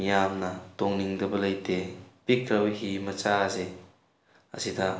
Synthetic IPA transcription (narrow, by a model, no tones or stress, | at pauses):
ijamnɐtɔŋniŋdɐbɐlɐjtepikɾɐwɦimɐt͡ʃaze | ɐ̰sida